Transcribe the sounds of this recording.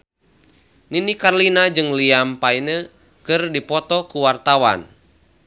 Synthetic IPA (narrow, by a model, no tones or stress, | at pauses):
ninikarlinad͡ʒɨŋliampainə | kɨrdipɔt̪ɔkuwart̪awa̰n